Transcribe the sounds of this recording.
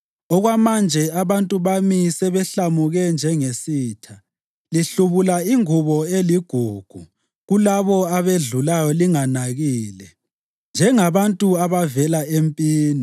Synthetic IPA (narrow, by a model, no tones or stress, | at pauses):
ɔɣwamand͡ʒʱɛaβantʼuβamisɛβɛɬamuɣɛnd͡ʒʱɛŋesiːtʰa | liɬuβulaiŋuβɔeliɡ̥ʱuɡ̥ʱu | ɣulaβɔaβeɮulajɔliŋanaɣiːlɛ | nd͡ʒʱɛŋaβantʼuaβavɛlaʔempʼiːni